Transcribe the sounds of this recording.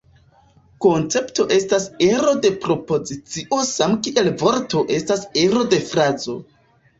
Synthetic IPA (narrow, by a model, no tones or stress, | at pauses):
ko̞nt͡se̞pto̞ʔe̞stase̞ɾo̞de̞pɾo̞po̞zit͡siʔo̞samkiʔe̞lvo̞ɾto̞ʔe̞stase̞ɾo̞de̞fɾazo̞̰